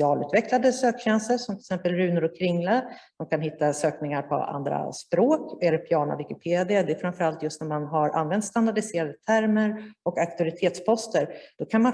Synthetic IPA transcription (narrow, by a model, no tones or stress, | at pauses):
ɑːlʉ̟ːt̪vɛklad̪əsøːkɕɛnsəʂɔmt̪ʰɪlsɛmpəlɾʉ̟ːnəɾɔkʰːɾɪŋːlad̪̥ɔmkʰanhɪt̪ːasøːknɪŋaɾpʰɔ̰a̰nd̪ɾa̰spɾoːkɛlːəɾpʰjɑːɳa̰vɪkɪpʰeːd̪ɪəd̪ɛːfɾamfœɾalt̪jɵst̪næɾmanɦaɾʔa̰nvɛnt̪st̪and̪aɖɪseːɾad̪ət̪ʰæɾməɾɔkak̚t̪ɪɔɾɪt̪ʰeːt̪spʰɔst̪əɾd̪̥ɔkʰanma